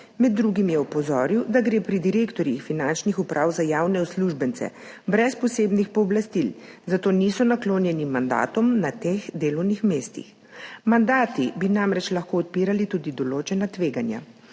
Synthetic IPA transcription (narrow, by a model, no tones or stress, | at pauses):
mɛd̪̚ːɾuːɡimjɛɔpɔzɔːɾiwd̪aɡɾeːpɾid̪iɾeːkt̪ɔɾjixfinant͡ʃnixupɾʔaːwzajaːwnɛɔsluʒbənt̪sɛ̰ | bɾɛspɔseːbnixpɔːblast̪ilzat̪oːnisɔnakloːnjɛnimand̪a̰ːt̪ɔmnat̪eːɣd̪eːlɔwnixmeːst̪ḭx | mand̪aːt̪ibinamɾɛt͡ʃlaɐxkoːɔt̪̚piːɾalit̪uːd̪id̪ɔloːt͡ʃɛnat̪ʋeːɡanja̰